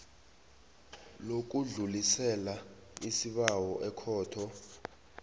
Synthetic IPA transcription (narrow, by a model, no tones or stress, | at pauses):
lok̬uɮulisɛla | isiɓawɔʔɛkʰɔːtʰɔ